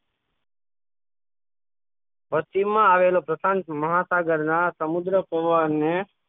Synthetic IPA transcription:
pəst̪imːãaʋelopɾəsãnt̪məɦasaɡəɾnasəmʊd̪ɾəpoʋaɾne

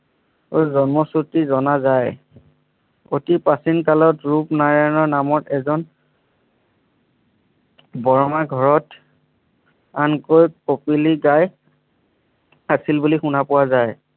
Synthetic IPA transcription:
ojzɔnmɔsutizɔnazaj | otipasinkalɔtɹupnaɹanɔɹnamɔtɛzɔn | bɔɹɔmaɡʱɔɹɔt | ankojkopiliɡaj | asilbulixunapʊwazaj

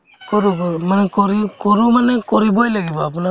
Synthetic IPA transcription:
kɔɾumanɛkɔɾikɔɾumanɛkɔɾibɔjlaɡibaːpuna

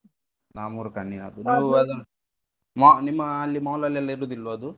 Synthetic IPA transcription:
naːmuɾukanːiɐd̪uniːuɐd̪ɐ | manimːɐːlːimɐːulɐlːɛlːɐiɾud̪ilʋɐɐd̪u

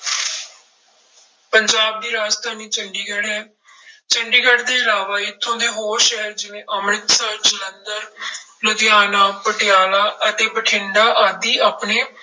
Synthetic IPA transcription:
pəɲd͡ʒaːb̚d̪iːɾaːd͡ʒt̪ʰaːniːt͡ʃəɳɖiɡɽɛː | t͡ʃəɳɖiːɡəɖd̪eːɪlaːʋaːɪt̪ʰːõːd̪eːɦoːɾʃɛɦəɾd͡ʒɪʋẽːʔəmɾət̪səd͡ʒələnd̪əɾ | lʊd̪ɪjaːnaːpəʈɪjaːlaːʔət̪eːpəʈʰɪ̃ɳɖaːʔaːd̪iːaːpneː

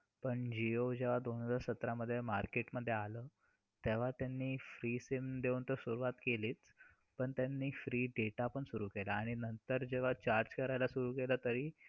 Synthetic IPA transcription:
pəɳd͡ʑiod͡ʑeʋ̤ad̪onəd͡zaɾsət̪ɾaməd̪ʱːjemaɾkeʈməd̪ʱːjealəː | t̪eʋ̤at̪janːiːfɾiːsemd̪eunt̪əɾsuɾuʋat̪keliːt͡s | pəɳt̪janːiːfɾiːɖeʈaːpəɳsuɾuːkelaːɽ̃inənt̪əɾd͡ʑeʋ̤at͡ɕaɾd͡ʑkəɾajlasuɾuːkeləːt̪əɾiː

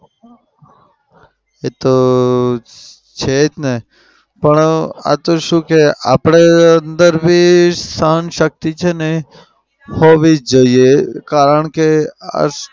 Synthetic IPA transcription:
et̪o | t͡ʃʰed͡ʒne | pəɳa̰t̪oʃũkeapɽ̃eənd̪əɾbʱisəɦənʃək̚t̪it͡ʃʰene | hoʋid͡ʒoiekaɾəɳkea̰

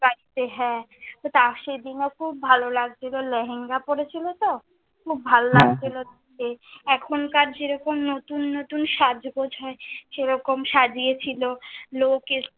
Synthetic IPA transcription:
baɾit̪eɦɛ | t̪ot̪aʃed̪inokʰub̚bʱalolaɡ̚t͡ɕʰiloleɦeŋɡapoɾet͡ɕʰilot̪o | kʰubːʱalolaɡt͡ɕʰilod̪ | keɛkʰonkaɾd͡ʑeɾɔkomnot̪unːot̪unʃad͡ʑɡod͡ʑʱɔeʃeɾɔkomʃad͡ʑiet͡ɕʰiloloke

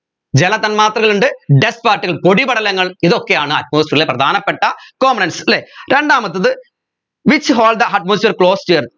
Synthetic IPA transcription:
d͡ʑɛlɐt̪ːɐnmaːt̪rɐɣɐɭuɳɖɨɖespaːɾʈːiɣɐɭpoɽibɐɽɐlɐŋːɐɭiðokːejaːɳɨɐʈ̚moːsʈɐɾileprɐd̪ʱaːnɐpːeʈːɐkoːmɐnɐnsleɾeɳɖaːmɐt̪ːɐðɨ | ʋit͡ɕːɦoːld̪ɐɦɐʈ̚moːsʈɐɾkɭoːstijɐɾ

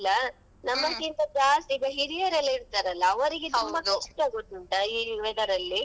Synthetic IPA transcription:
lːɐ | nɐmːɐkːint̪ɐd͡ʒaːst̪ibɐɦiɾijɐɾɐlːɐiɾt̪aːɾɐlːɐːʋɐɾiɡet̪ʰumbɐkɐsʈaɡot̪ːuɳʈɐiʋɛd̪ɐɾɐlːi

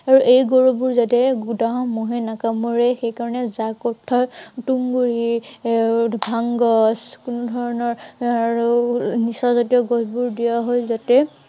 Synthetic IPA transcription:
aɹuʔejɡoɹobuɹzatɛɡudaɦɔ̃moɦenakamɔɹɛxejkaɹɔnɛzakɔtʰːɔtuŋɡuɹi | bʱaŋɡɔskunudʱɔɹɔnɔɹ | nisɔzatijɔɡɔzbuɹdijaɦɔjzatɛ

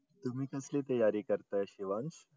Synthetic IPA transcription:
t̪um̤iːkəslet̪ɐjaɾikəɾt̪əɕiʋãnɕ

